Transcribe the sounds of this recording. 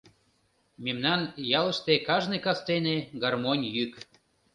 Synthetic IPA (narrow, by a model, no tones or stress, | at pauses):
memnɑnjɑlə̆ʃt̪ekɑʒnekɑst̪eneɡɑrmonʲjyk